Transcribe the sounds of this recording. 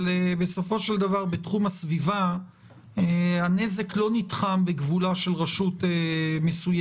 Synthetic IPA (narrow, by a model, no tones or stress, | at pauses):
lebeso̞fo̞ʃeld̪avaʁbetχumasviva | ehane̞ze̞klo̞nitχambeɡvulaʃe̞lʁaʃutemesuj